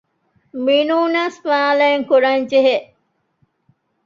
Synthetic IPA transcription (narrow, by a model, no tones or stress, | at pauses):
minuːnaːsfaːlɐeŋkuɾɐnd͡ʒeɦeʔ